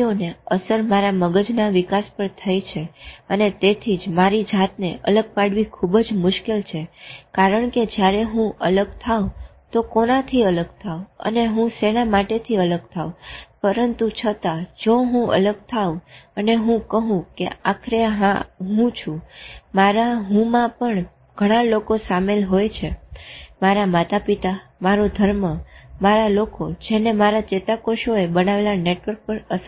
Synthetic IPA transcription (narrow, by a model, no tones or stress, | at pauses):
oneəsəɾmaɾaməɡəd͡ʒnaʋɪkaspəɾt̪ʰəjt͡ʃʰeənet̪et̪ʰid͡ʒmaɾid͡ʒat̪neʔə̰ləɡ̚paɽʋikʰubd͡ʒmʊʃkelt͡ʃʰekaɾəɳked͡ʒjaɾeɦũələɡt̪ʰau | t̪okonat̪ʰiələɡ̚t̪ʰauə̰neɦũsenamaʈet̪ʰiələɡ̚t̪ʰaũpəɾənt̪ut͡ʃʰət̪ad͡ʒoɦũə̰ləɡ̚t̪ʰauəneɦũkəɦũkḛakʰɾeɦãɦũt͡ʃʰũmaɾaɦũmãpəɳ | ɡ̥ʱəɽ̃ãlokosamelɦojt͡ʃʰemaɾamat̪apit̪amaɾod̪ʱəɾməmaɾalokod͡ʒenemaɾat͡ʃet̪akoʃoebənaʋelaneʈʋəɾk̚pəɾəs